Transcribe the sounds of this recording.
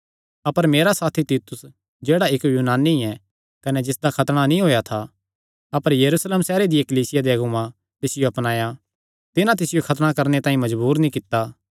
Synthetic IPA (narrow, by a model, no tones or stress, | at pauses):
ɐpəɾmeːɾasaːt̪ʰit̪iːt̪ʊs | d͡ʒeːɽaɪkjuːnaːniɛ | kɐnɛd͡ʒɪsd̪akʰɐt̪ɽ̃anĩɦoːjat̪ʰa | ɐpəɾjɐɾuːsleːmsɛːɾed̪ɪjekɐliːsɪjad̪eɐɡumã | t̪ɪsɪjoɐpnaːja | t̪ɪnãt̪̬ɪsɪjokʰɐt̪ɽ̃akɐɾnet̪ãːĩmɐd͡ʒbuːɾnĩkɪt̪ːa